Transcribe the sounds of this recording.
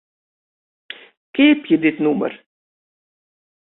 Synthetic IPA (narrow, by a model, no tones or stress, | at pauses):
keːpjid̪it̪numə̰ɾ